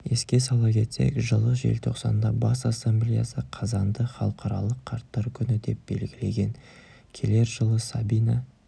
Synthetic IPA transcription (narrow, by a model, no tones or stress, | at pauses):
e̞skʲe̞sɑlˠɑkʲʰe̞t̪se̞̰kʲʒəlˠəʒe̞̰lt̪ʰo̞̰qsɑ̰nd̪ɑbɑsasːamblʲijasəqʰɑzɑnd̪əχɑlˠəqʰɑɾɑ̰lˠəqʰːɑɾt̪ːɑɾkʲʰʏnɪd̪e̞p̚b̥e̞̰lɡʲɪle̞ɡʲe̞n | kʲʰe̞le̞ɾʒəlˠəsabinɑ